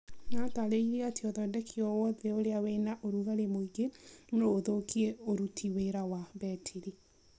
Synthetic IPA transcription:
nataɾeiɾeatiɔðɔdɛkʰiɔwɔðɛoɾeawenaʔoɾuɣaɾemoiɡenoːðokiɛoɾutʰiweɾawabɛtʰiɾi

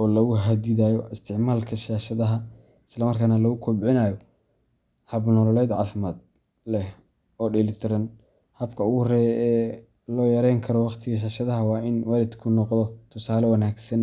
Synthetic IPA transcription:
ʔɔːlɐɣʊɦɐd̪iðaːjɔʔɪst̪ʰɪʕmaːlkʰɐʃaːʃɐðɐɦɐ | ɪslɐmɐrkʰaːnɐlɐɣʊkʰɔbʕɪnaːjɔ | hɐbnɔːlɔlɛːd̪ʕɑ̰ːfɪmaːd̪̚ | lɛh | ɔːɖɪlɪt̪ʰɪɾɐn | hɐbkʰɐʊɣhrɛːjɛː | lɔːjɐɾɛjŋkʰɐɾɔwɑqt̪ʰɪɣɐʃ̬aːʃɐðɐɦɐwɑːʔɪnwaːlɪd̪kʰʊnɔqðɔt̪ʰʊsaːlɛwɐnaːɡsɐn

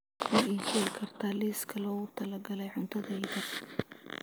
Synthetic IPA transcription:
ɐiːʃɛkʰɐrt̪ʰaliːskʰɐlɔːɣʊt̪ʰɐlɐɡɐlɛjʕʊnt̪ʰɐðɛjðɐ

